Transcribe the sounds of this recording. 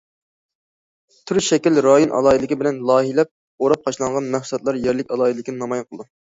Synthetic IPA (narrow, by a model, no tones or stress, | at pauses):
t̪ʰyɾʃɛkʲilɾɑjonʔɑ̰lˠɑːilɪkʲibɪlɛnlˠɑːɦilɛp̚ | oɾɑp̚qʰɑʃlˠɑɴʁɑnmæhsɛt̪̚lˠɑɾjɛɾlɪkʲɑlˠɑːilɪkʲinɨnɑmɑjɑnqʰəlˠd̪u